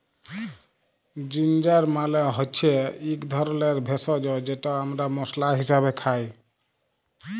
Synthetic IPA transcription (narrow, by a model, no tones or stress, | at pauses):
d͡ʒind͡ʒaɾmaleɦɔtːt͡ʃʰeikd̪ʱɔɾleɾbʱesɔd͡ʒɔd͡ʒeʈɔəmɾamɔslaɦisabekʰaj